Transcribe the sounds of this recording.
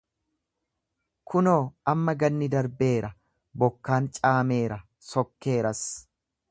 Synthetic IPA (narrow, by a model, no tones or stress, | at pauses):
kʰʊno̞ːʔɐmːɐɡɐnːɪd̪ɐɾbe̞ːɾɐ | bɔkːaːnt͡ʃʼaːme̞ːɾɐ | sɔkːe̞ːɾɐs